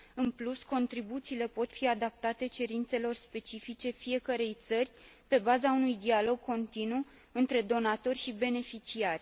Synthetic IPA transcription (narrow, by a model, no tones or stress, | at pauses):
ɨnplusko̞nt̪ɾibut̪siːle̞po̞t̪fiad̪ap̚t̪at̪e̞t͡ʃe̞ɾint̪se̞lo̞rspe̞t͡ʃifit͡ʃe̞fije̞kəɾe̞jt̪sərʲpe̞bazaunujd̪ialo̞ɡ̚ko̞nt̪inu | ɨnt̪ɾe̞d̪o̞nat̪o̞rʲʃibe̞ne̞fit͡ʃiarʲ